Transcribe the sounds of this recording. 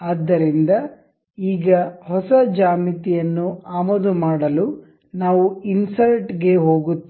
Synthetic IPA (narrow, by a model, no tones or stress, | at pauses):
aːd̪ːɐɾind̪ɐ | iːɡɐhɔsɐd͡ʒaːmit̪ijɐnːuaːmoːd̪umaːɽɐlu | naːʋuinsɐɾʈɡe̞ɦo̞ːɡut̪ː